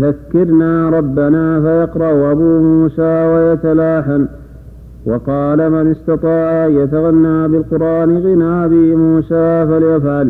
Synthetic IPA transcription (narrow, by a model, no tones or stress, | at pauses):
ðakːɪɾnaːɾˤɑbːanaːfajɑqɾˤɑʔʔabuːmuːsaːwajat̪alaːħan | wɑqɑːlamɪnɪst̪ɑt̪ˤɑːʕajat̪aɣanːaːbɪlqʊɾʔaːnɪɣɪnaːʔabiːmuːsaːfaljafʕal